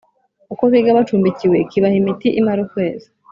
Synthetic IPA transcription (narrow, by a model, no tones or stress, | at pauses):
ukoβiɡaβat͡ʃuːmbiciwe̞kiβahimitiʔimaɾukwe̞ːzi̥